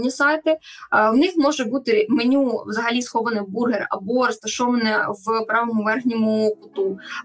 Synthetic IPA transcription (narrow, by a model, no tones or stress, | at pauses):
nʲisajt̪ɪwnɪxmɔʒɛbut̪ɪmenʲuwzɐɦɐlʲisxɔʋɐnɪburɦɛrɐ̰bɔrɐst̪ɐʃɔʋɐnɛʋpɾɑʋɐmʊʋɛrɣnʲɔmʊpʊt̪u